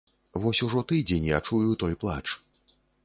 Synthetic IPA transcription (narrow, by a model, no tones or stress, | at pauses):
vɔsʲuʐɔt̪ɨd͡zʲenʲjat͡ʂujut̪ɔjplˠa̰t͡ʂ